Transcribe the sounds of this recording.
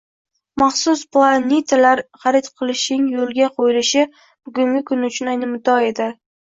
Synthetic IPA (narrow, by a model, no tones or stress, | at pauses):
mɑχsʊsplˠanʲet̪ʰalaɾχɑɾet̪qʰɨlˠɪʃɪŋjolˠɡʲaqʰojɪlɪʃɪ | b̥ʊɡʊŋɡʲɪkʰʊnʊt͡ʃʰʊnajnɪmʊt̪ɒe̞d̪ɪ